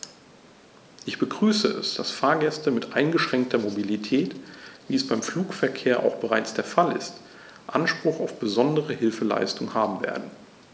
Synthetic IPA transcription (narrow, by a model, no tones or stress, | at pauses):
ʔɪçb̥əɡʁyːsəʔɛ̰sd̥asfaːɐɡɛstəmɪtʔaɪnɡəʃʁ̥ɛŋk̚tʰɐmobilitʰɛːtviːɛsb̥aɪmfluːkfɛɐkʰeːɐʔa̰ʊxb̥əʁaɪt͡sd̥eːɐfalɪ̰st | ʔanʃpʁ̥ʊχaʊfb̥əzɔndəʁəhɪlfəla̰ɪstʊŋhaːbm̩vḛːɐdn̩